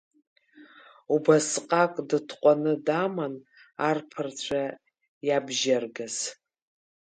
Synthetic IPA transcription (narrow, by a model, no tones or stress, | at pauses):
ubasqʼakʼdɨtʰqʷʼanɨdaman | arpʰɨrt͡ɕʷʰa | jabʒarɡaz̥